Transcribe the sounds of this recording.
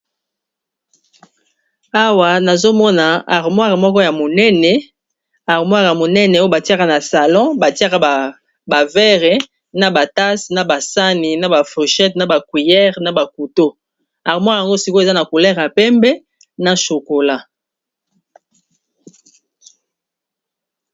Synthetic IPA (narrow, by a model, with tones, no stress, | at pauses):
a˦wa˨na˨zo˦mɔ˦na˨a˨ʁmwa˦ʁa˨mɔ˦kɔ˦ja˨mo˨nɛ˦nɛ˨ | a˨ʁmwa˦ʁja˨mo˨nɛ˦nɛ˨o˦e˦ba˨ti˦a˦ka˦na˨sa˨lɔ̃˦ba˨ti˦a˦ka˦a˨ | ba˨vɛ˦ʁe˨ | na˨ba˨ta˦sna˨ba˨sa˦ni˨na˨ba˨fo˨ʃɛ˦tna˨ba˨kwi˨jɛ˦ʁna˨ba˨ku˨to˦ | a˨ʁmwa˦ʁja˨ŋɡo˦si˨ko˦e˨za˦na˨ku˨lɛ˦ʁja˨pɛ˦mbɛ˦ | na˨ʃo˨ko˨la˦